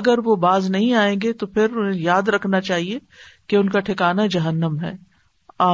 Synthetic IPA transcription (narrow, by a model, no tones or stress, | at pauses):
ɐɡəɾʋobaːznɐɦĩaːẽːɡet̪opʰɪɾʊnɦẽjaːd̪ɾɐkʰnat͡ʃaːɦie | keʊnkaʈʰɪkaːnad͡ʒɐɦənːəmɦɛ̰ː | aː